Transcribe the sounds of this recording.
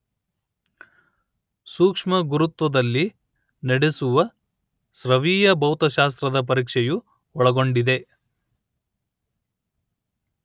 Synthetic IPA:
suːkʂmɐɡuɾut̪ʋɐd̪ɐlːi | nɐɽesuʋɐ | sɾɐʋiːjɐbɐwt̪ɐʃaːst̪ɾɐd̪ɐp̬ɐɾiːkʂɛju | ɔɭɐɡo̞ɳɖid̪e̞

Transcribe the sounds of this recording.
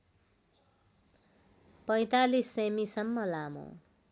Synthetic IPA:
pʌj̃t̪alisemisʌmːʌlamõ̰

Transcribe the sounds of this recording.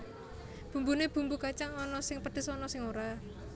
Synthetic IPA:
b̥ṳmbuneb̥ṳmbukat͡ʃaŋɔnɔsɪŋpəd̪̥ɪ̤sɔnɔsɪŋoɾa

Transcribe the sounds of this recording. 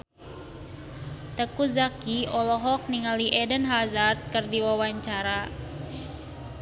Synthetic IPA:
t̪əkuzakiʔɔlɔɦɔk̚niŋaliʔɛdənɦazart̪̚kərdiwawaɲt͡ʃaɾa

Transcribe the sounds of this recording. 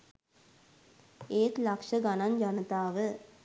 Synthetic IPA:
eːt̪lɐkʂɐɡɐnɐnd͡ʒɐnɐt̪aːʋə

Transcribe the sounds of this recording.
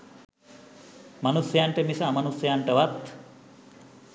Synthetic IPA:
manusjjaɳʈəmisaːmɐnusɐjaɳʈəʋat̪

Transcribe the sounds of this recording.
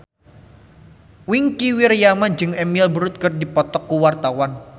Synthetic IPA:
wɪŋkiwirjamad͡ʒəŋɛmilbəɾʊt̪̚kərdipɔt̪ɔkːuwart̪awan

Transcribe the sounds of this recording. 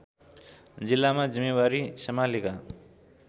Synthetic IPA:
d͡zilːamad͡zimːewaɾisʌmalika

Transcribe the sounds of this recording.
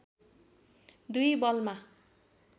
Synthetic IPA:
d̪ujbʌlma

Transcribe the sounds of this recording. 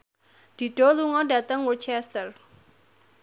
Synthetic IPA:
d̪̥i̤ɖ̥o̤luŋɔdät̪əŋwut͡ʃɛst̪ər

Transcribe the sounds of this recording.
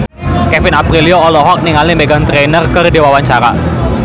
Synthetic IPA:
kɛfɪnapɾiliɔːlɔɦɔk̚niŋalimbeɡant̪ɾenərkərdiwawaɲt͡ʃaɾa̰

